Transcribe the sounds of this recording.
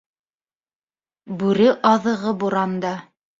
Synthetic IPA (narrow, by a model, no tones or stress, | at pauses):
bʉɾɘʔɑðɤ̆ʁɤbuɾɑnd̪ɑ